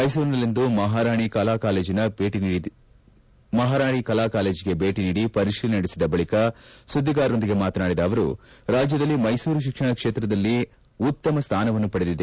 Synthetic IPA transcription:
mɐjsuːɾnɐlːind̪umɐɦaːɾaːɳikɐlaːkaːle̞ːd͡ʒinɐbeːʈiii | mɐɦaːɾaːɳikɐlaːkaːle̞ːd͡ʒiɡe̞be̞ːʈiniːɽipɐɾiʂilɐnɐɽisid̪ɐbɐɭikɐsud̪ːiɡaːɾo̞nd̪iɡe̞maːt̪ɐnaːɽid̪ɐːʋɐɾṵɾaːd͡ʒjɐd̪ɐlːimɐjsuːɾuʃ̬ikʂɐɳɐkʂeːt̪ɾɐd̪ɐlːi | ut̪ːɐmɐst̪ʰaːnɐʋɐnːupɐɽed̪id̪e

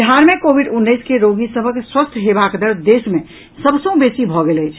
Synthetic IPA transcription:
ɦaɾmekobʱiɖunːəjskeɾoɡisəbʱəkswəst̪ʰɦebakd̪əɾd̪esme | səbsə̃ũbesibʱɔɡeləjt͡ʃʰ

